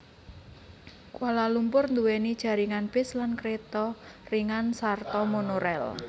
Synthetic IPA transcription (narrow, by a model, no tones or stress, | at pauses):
kwalalumpʊrnd̪uwɛnid̥ʒ̥a̤ɾiŋanpɪslankɾet̪ɔriŋansart̪ɔmonoɾɛ̰l